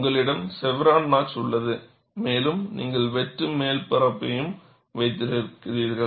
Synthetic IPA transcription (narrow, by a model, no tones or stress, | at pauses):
ŋɡɐɭɪɽɐmsɛʋɪɾaːnnaːt͡ʃʊɭːɐðɯ | meːlɯmniːŋɡɐɭʋɛʈrɯmeːlpɪɾɐpːɐjɯm | ʋɐɪt̪ːɪɾɪkːɪɾiːɾɣɐɭ